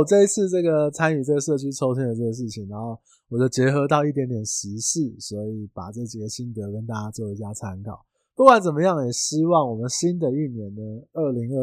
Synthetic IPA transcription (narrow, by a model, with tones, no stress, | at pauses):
ʈ͡ʂɤ˥˧i˥t͡sʰɹ̩˥˧ʈ͡ʂɤ˥˩ɡə˨˩t͡sʰa˥ny˨˩t͡sa˥˧ɪʂɤ˥˩t͡ɕʰy˥ʈ͡ʂʰo˥ʊsʰə˥ndə˨ʈ͡ʂɤ˥˩ə˩ʂ̬ɻ̩˥˩t͡ɕʰi˨˩ŋna˧˥nxo˥˩ʊ | wɔ˨˩t͡ɕjo˥˩ʊt͡ɕjɛ˧˥xɤ˧˥t̪̬ɑ˥˧ʊi˥˩t̪̬jɛ˧˥nt̪jɛ˨˩nɕi˧˥ɕi˥˩swɔ˧˥i˨˩˦pa̰˨˩ʈ͡ʂɤ˥˩t͡ɕi˨˩ɡə˩ɕi˥nt̪ɤ˧˥kə˥nt̪a˥˩t͡ɕja˥t͡ɕjo˥˩ʊe˧˥ɪt͡ɕja˥t͡sʰa˥nkʰɑ̰˨˩˦ʊ | pu˥˩kwa˨˧˦nt͡sə˨˩nmə˦jɑ˥˩ŋjɛ˨˩ɕi˥wɑ˥˩ŋwɔ˨˩mə˦nɕi˥nd̪ə˨y˥˩njɛ˨˩nnə˦ə˥˩li˧˥ŋə˥˧